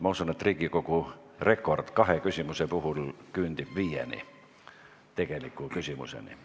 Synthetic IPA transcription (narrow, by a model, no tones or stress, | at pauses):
mɑusunet̪riɡikoku | rekord̪kɑhekysʲymusepuhulkyːnd̪ib̥ʋiːjḛnḭ | t̪ekelikːukysimṵsḛnḭ